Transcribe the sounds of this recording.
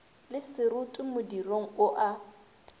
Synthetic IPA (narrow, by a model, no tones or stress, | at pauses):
lɪsɪɾʊtʼɪmʊdiroŋ̩ʊʔa